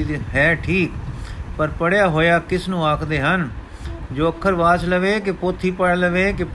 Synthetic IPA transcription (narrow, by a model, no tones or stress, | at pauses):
ɦɛːʈʰiːkpəɾpəɽjaːɦoːjaːkɪsnũːaːkʰd̪eːɦən | d͡ʒoːəkʰːəɾʋaːt͡ʃləʋeːk̬ɪpoːt̪ʰːiːpəɽləʋeːkɪ